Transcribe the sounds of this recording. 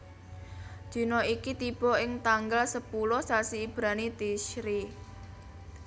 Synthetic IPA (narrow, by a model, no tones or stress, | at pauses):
d̥ʒ̥i̤nɔikit̪ib̥ɔ̤ɪŋt̪aŋɡalsəpulɔsasiːb̥ɾanit̪iʃɾi